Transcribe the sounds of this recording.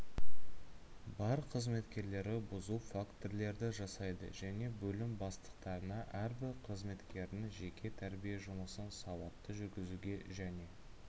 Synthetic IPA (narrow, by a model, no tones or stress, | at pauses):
bɑɾqʰəzme̞t̪kʲe̞ɾle̞ɾɪbʊzuwfakt̪oɾle̞ɾd̪ɪʒɑsɑjd̪ə̰ʒæne̞bɵlɪmbɑst̪ə̥q̚t̪ɑɾənɑʔæɾbɪɾqʰəzme̞t̪kʲe̞ɾɪnɪŋʒe̞kʲʰe̞t̪ʰæɾbijeʒʊməsənsɑwɑt̪ːəʒʏɾɡʲɪzuɡʲe̞ʒæne̞